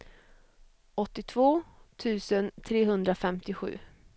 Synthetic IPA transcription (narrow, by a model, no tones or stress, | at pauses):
ɔt̪ːɪt̪ʰvoːt̪ʰʉ̟ːsənt̪ʰɾeːɦɵnd̪ɾafɛmt̪ɪɧʉ̟̰ː